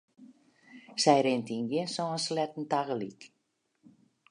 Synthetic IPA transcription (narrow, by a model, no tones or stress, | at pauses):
sɛjɾɪntinɡjɪnsɔənslɛtn̩taɣəlik